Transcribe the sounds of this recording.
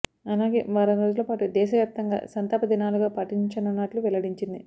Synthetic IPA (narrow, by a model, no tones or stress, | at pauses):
ɐlaːɡe̞̰ːʋaːɾɐnɾoːd͡ʒuloːpaːʈud̪ɛːʃɐʋjaːp̚t̪ɐŋɡa̰ːsɐnt̪aːpɐd̪inaːluɡaːpɐʈiɲt͡ʃɐnɐnaːʈluʋɛlɐɽiɲt͡ʃind̪i